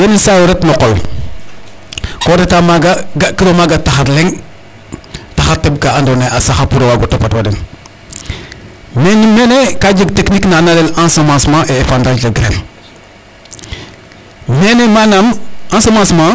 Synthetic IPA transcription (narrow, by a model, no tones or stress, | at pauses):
jenisajoɾetnɔkɔl | kodetamaɡaɡakədomaɡataxaɾlɛŋ | taxateb̚kaandoneʔasaxapuɾowaɡotapatwadin | menimenekad͡ʒəɡtekniknanalelãnsomãsmãʔeːfandad͡ʒlaɡɾḛm | menemanamãnsomãsmã